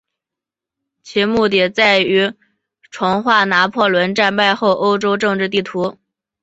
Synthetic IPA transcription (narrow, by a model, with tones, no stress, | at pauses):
t͡ɕʰi˧˥mu˥˩t̪i˨˩t͡sa˥˩ɪy˧˥ | ʈ͡ʂʰwʊ˧˥ŋxwa˥˩na˧˥pʰwɔ˥˩lwə˧˥nʈ͡ʂa˥˧npa˥˧ɪxo˥˩ʊʔo˥ʊʈ͡ʂo˥ʊʈ͡ʂɤ˥˧ŋʈ͡ʂɻ̩˥˧t̪̬i˥˩t̪ʰu˧˥